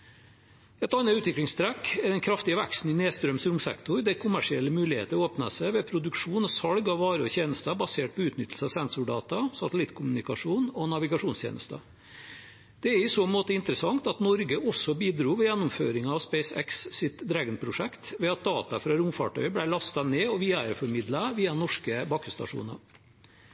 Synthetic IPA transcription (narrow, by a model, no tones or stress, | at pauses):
ɛt̪ɑnːɑʉːt̪ʋɪklɪŋst̪ʰɾɛkːɛd̪ɛnkʰɾɑft̪ɪəʋæ̰kst̪n̩ɪneːst̪ɾœmsɾʊmsɛ̰kt̪ʊɾd̪ɛkʰʊmæʂɪɛlːəmʉːlɪhḛːt̪əɾoːpnɑ̰sɛɪʋɛpʰɾʊd̪ʉkʂuːnɔsɑɽɡɑʋʋɑːɾəɔçeːnəst̪əbɑseːʈ̚pʰɔʉːt̪nʏt̪l̩səɑʋsɛnsʊɖɑːt̪ɑsɑt̪əlɪt̪ːkʰʊmʉnɪkɑʂuːnɔnɑʋɪɡɑʂuːnst̪jḛːnə̰st̪ɑ̰ | d̪̥ɛæɾɪsoːmoːt̪əɪnt̪əɾəsɑŋt̪ɑt̪nɔɾɡəʔɔsɔbiːd̪ɾuːʋɛjænːʊmfø̰ːɾɪŋɑɑʋspɛɪsɛ̰kssɪt̪d̪ɾɛɡnpʰɾʊʂɛkt̪ʋɛɑt̪̚d̪ɑːt̪ɑfɾɑɾʊmfɑ̰ʈʰœ̰ʏblæɪlɑst̪ɑneːɔʋiːɑɾəfɔɾmɪd̪lɑʋiːɑnɔʂkəbɑkːəst̪ɑ̰ʂṵːnɑ